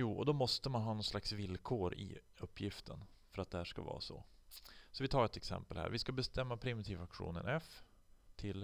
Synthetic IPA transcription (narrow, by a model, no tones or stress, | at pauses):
juːɔ̰d̪ɔmɔst̪əmanɦɑːnɔnslaksvɪlkʰoːɾɪ̰ | ɵpʰːjɪft̪ʰən | fœɾat̪̚d̪ɛhæːʂka̰vɑ̰ːsɔ̰ | sɔvɪt̪ʰɑːɾɛt̪ɛksɛ̰mpəlhæ̰ːɾvɪskabɛst̪ɛmːapʰɾɪmɪt̪ʰiːvakɧṵːnə̰nɛf | t̪ʰɪl